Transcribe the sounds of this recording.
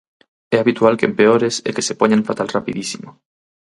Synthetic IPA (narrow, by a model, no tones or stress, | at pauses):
eaβit̪walkempeoɾesḛkesepoɲaɱfat̪alrapiðisimo